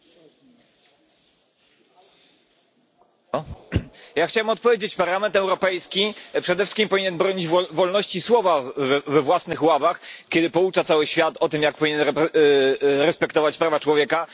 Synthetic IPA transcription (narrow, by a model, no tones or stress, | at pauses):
jaxt͡ɕawɛmɔt̪pɔvʲjed͡ʑet͡ɕpaɾlamɛnt̪ɛwɾɔpɛjskʲipʂɛd̪ɛfʂɘ̥kʲimpɔviɲɛnbɾɔɲid͡ʑvɔlnɔɕt͡ɕiswɔvavvɛvwasnɘxwavaxkʲɛd̪ɘpɔut͡ʂat̪sawɘɕfʲjat̪ɔt̪ɘmjak̚pɔvʲiɲɛnɾɛ | ɾɛspɛkt̪ɔvat͡ɕpɾavat͡ʂwɔvʲjɛka